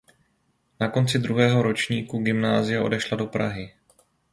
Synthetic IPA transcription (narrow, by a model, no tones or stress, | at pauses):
nako̞nt͡sɪd̪ɾuɦɛːɦo̞ɾo̞t͡ʃɲiːkuɡɪmnaːzɪjaʔo̞̰dɛʃlado̞pɾa̰ɦɪ